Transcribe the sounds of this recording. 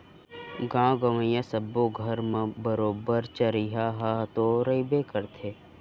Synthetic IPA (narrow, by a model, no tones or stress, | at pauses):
ɡãːɡɐʋə̃jãsɐbːoɡʱəɾmə̃bəɾoːbəɾt͡ʃəɾiɦaɦat̪oɾɐibekəɾt̪ʰeː